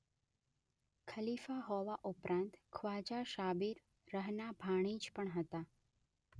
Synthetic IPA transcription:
kʰəlifaɦɔʋaʔupɾʔãnt̪kʰʋad͡ʒaʃabiɾ | ɾəɦnabʱaɽ̃id͡ʒpəɳɦət̪a

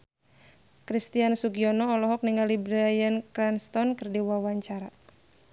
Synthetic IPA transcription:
kɾist̪iansuɡiɔnɔːlɔɦɔk̚niŋalibɾajənkɾanst̪ɔnkɨrdiwawaɲt͡ʃaɾa

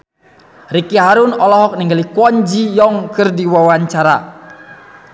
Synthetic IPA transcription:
rikiɦaɾunɔlɔɦɔk̚niŋɡalikwɔɲd͡ʒijɔŋkɨrdiwawaɲt͡ʃaɾa

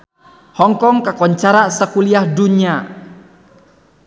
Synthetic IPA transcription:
hɔŋkɔŋkakɔɲt͡ʃaɾasəkuliahduɲa

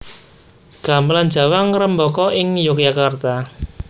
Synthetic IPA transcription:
ɡ̥a̤mbland͡ʒ̥a̤waŋɾəmbɔkɔʔɪŋjokjakart̪a

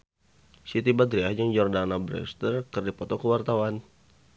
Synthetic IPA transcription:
sit̪ibad̪ɾiad͡ʒəŋd͡ʒɔrdanabɾɛ̰st̪ərkɨrdipɔt̪ɔkəwart̪awan

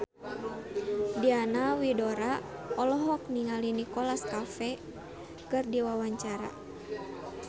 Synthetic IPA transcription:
dianawidɔɾaɔlɔɦɔk̚niŋalinikɔlaskafɛ | kɨrdiwawaɲt͡ʃaɾa̰

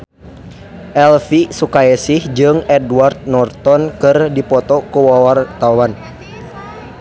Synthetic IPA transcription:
ʔɛlfisukaɛsɪhd͡ʒɨŋɛdwart̪̚nɔrt̪ɔnkɨrdipɔt̪ɔkuwawart̪awan

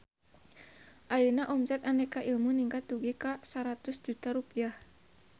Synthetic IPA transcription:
ʔajunaʔɔmsɛt̪anɛkaʔilmuniŋkat̪uɡɛkasaɾat̪usd͡ʒut̪aɾupiah

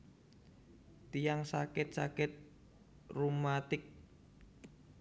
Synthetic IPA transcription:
t̪ijaŋsakɪt̪̚sakɪt̪̚ | rumat̪ɪk̚

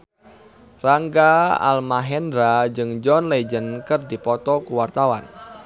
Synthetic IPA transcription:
raŋɡaa̰lmaɦɛndɾad͡ʒɨŋd͡ʒɔnlɛd͡ʒənkɨrdipɔt̪ɔkuwart̪awan

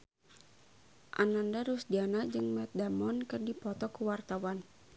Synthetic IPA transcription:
ʔanandaɾusd͡ʒanad͡ʒɨŋmɛt̪̚damɔnkɨrdipɔt̪ɔkuwart̪awan

